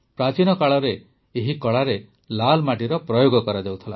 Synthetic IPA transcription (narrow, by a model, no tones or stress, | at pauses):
pɾat͡ʃinɔkaɭɔɾe | eɦikɔɭaɾe | lalmaʈiɾɔpɾɔjoɡɔkɔɾad͡ʒawt̪ʰila